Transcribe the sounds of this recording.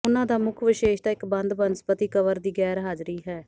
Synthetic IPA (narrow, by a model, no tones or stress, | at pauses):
ʊnãːd̪aːmʊkʰʋɪʃeːʃd̪aːɪkbə̃nd̪bənspət̪iːkəʋəɾd̪iːɡɛːɾɦaːd͡ʒɾiːɦɛː